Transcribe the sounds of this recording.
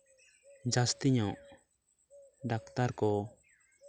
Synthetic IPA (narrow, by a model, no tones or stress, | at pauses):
d͡ʒast̪iɲɔʔ | ɖak̚t̪aɾkɔ